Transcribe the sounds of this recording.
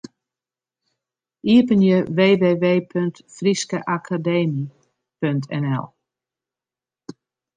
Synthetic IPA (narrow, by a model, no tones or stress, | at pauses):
ʔiəpənjəʋeːʋeːʋeːpʰøŋ̚tfriskəʔakʰadeːmi | pøntʰɛ̰nɛ̰lˠ